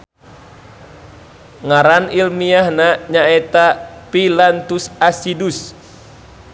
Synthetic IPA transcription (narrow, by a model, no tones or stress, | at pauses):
ŋaɾanilmiahnaɲaɛt̪apilant̪usasidus